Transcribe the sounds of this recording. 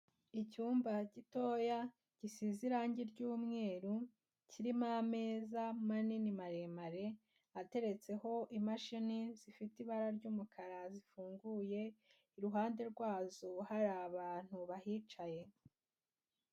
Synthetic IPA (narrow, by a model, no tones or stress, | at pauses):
icuːmbaɟito̞ːja | ɟ̥isiziɾaːɲɟiɾɟuːmŋe̞ːɾu | ciɾimame̞ːzamaninimaɾe̞maɾe | ate̞ɾe̞t͡se̞ho̞ʔimaʃinizifitiβaɾaɾɟuːmukʰaɾazifuːŋɡuje̞ | iɾuɦaːnde̞ɾɡwaːzohaɾaːβaːn̥huβahiːt͡ʃaje̞